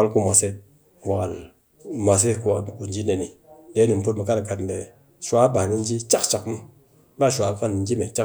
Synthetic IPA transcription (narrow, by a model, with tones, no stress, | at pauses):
a˦lku˦mʷa˨se˦ | wa˨ka˨l | mʷa˨s̬e˦ku˦a˨u˨nd͡ʒi˦ne˨ni˨ | de˨˦ni˨m˨pu˦t̚mə˨ka˦dka˨tnde˨ | ʃʷa˦ba˨ni˦nd͡ʒi˦t͡ʃa˦kt͡ʃa˨km˦ | ba˦˨ʃʷa˨˦˨fa˦n˨nd͡ʒi˦me˨t͡ʃa˦